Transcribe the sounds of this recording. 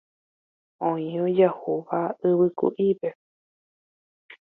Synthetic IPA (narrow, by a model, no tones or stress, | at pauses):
õĩod͡ʒahuʋaɨβɨkṵʔipe̞